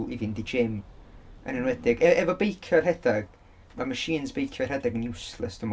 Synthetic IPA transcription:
ivɪndid͡ʒɪmə̰nənwɛdɪɡɛɛvɔbejkʰjarɦɛdaɡ̥ | maməʃiːnzbejkʰjɔrhɛdaɡənjusləsd̥əm

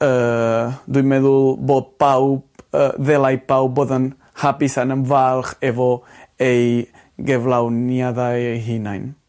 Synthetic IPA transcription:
ə | d̪ujmɛðulbot̪̚pawəðɛlajpawbɔðən | hapisanəmvalxevo | ej | ɡɛvlawniaðajɦinajn

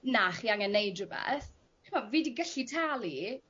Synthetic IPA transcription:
naχiaŋənːejdrəbɛ̰ːθʰ | ɪmaviːdiɡəɬitʰaːlˠi

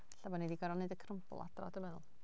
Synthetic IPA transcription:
ɬabɔnidiɡaɾɔnɨdəkʰrəmplˠa̰drɔ̰dəmɛnʊ̰lˠ

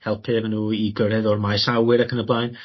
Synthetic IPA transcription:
hɛlˠpʰɨvnuːiɡəɾɛðɔrmajsawɪɾakʰənəblˠajn

